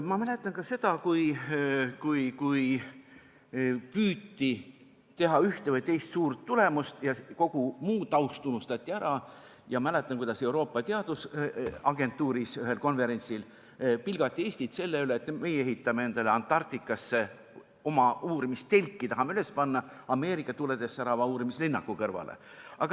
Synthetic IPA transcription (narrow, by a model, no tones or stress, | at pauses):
mɑmæle̞t̪ːˑɑnkɑse̞d̪̥ɑkuj | kujkuj | pyːt̪ːi | t̪e̞ɦɑyht̪e̞vɤjt̪e̞jst̪suːrt̪ːule̞must̪jɑko̞ɡ̥umuːt̪ˑɑwst̪ːunust̪ɑt̪ʲˑːiæɾɑ | jɑmæle̞t̪ːˑɑnkujd̪̥ɑse̞wɾo̞ːpˑːɑt̪eɑd̪̥usɑɡ̥e̞nt̪ːˑuːɾisyɦe̞lko̞nve̞ɾe̞nʲt̪sil | pilɡ̥ɑt̪ˑːie̞ːsʲt̪it̪se̞lːeyle̞ːt̪ːme̞jee̞ɦit̪ːˑɑmee̞nd̪̥ɑleɑnt̪ːˑɑrt̪ikːˑɑsːe̞ | o̞mɑʔuːɾimist̪e̞lʲkːˑit̪ɑɦɑmeyle̞spɑnːɑɑme̞ːɾikːˑɑt̪ule̞d̪̥e̞sːæɾɑvɑuːɾimislinːɑkːˑukɤrvɑ̰lḛɑɡ̥ɑ